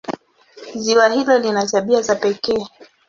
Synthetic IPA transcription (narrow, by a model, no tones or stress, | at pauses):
ziwahilɔlinataɓiazapɛkɛː